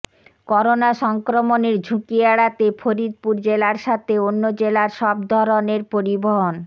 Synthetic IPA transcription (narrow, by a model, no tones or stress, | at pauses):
kɔɾonaʃɔŋkɾomoneɾd͡ʑʱukiaɽat̪efʰoɾid̪̚puɾd͡ʑelaɾʃat̪ʰeonːod͡ʑelaɾʃɔb̚d̪ʱɔɾoneɾpoɾiboɦon